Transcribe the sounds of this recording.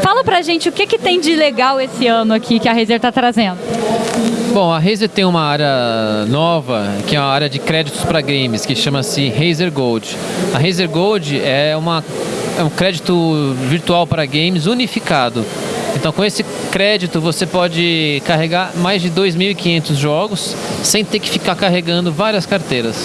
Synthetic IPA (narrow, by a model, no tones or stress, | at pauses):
falɐpɾaʒẽnt͡ʃɪʊkekɪt̪ẽj̃d͡ʒɪleɡawesɪɐ̃nʊakʰikɪɐɦejzeɾt̪at̪ɾazẽnd̪ʊ | bõw̃ɐɦejzeɾt̪ẽj̃ũmɐaɾjɐnɔvɐkɪɛũmɐaɾjɐd͡ʒɪkɾɛd͡ʒit̪ʊ̥spɾɐɡẽjmɪskɪʃɐ̃mɐsɪɦejzeɾɡowd͡ʒɪɐɦejzeɾɡowd͡ʒɪɛũmɐɛũkɾɛd͡ʒit̪ʊviɾt̪uawpɾɐɡẽj̃mɪzunifikad̪ʊẽnt̪ɐ̃w̃kõesɪ | kɾɛd͡ʒit̪ʊvosepɔd͡ʒɪkaɦeɡaɾmajzd͡ʒɪd̪ojzmiwikĩɲẽnt̪ʊzʒɔɡʊsːẽj̃t̪eɾkɪ̥fikaɾkaɦeɡɐ̃nd̪ʊvaɾiɐskaɾt̪ejɾɐs